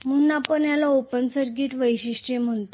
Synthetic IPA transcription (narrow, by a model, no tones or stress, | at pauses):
m̤unːapəɳjalaopənsəɾɡiːʈʋəjɕiɕʈem̤əɳt̪o